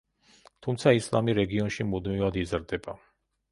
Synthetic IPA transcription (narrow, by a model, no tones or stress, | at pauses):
t̪ʰumt̪sʰaislˠa̰miɾɛɡiɔnʃimud̪mivad̪izɾd̪ɛba